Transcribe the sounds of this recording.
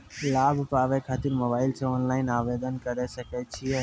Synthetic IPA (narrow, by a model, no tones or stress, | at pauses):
labʱupaʋɛkʰat̪iɾmobaːɪlsʰeɔnlaːɪnaʋed̪ənkəɾɛsəkɛt̪̚t͡ʃʰijɛ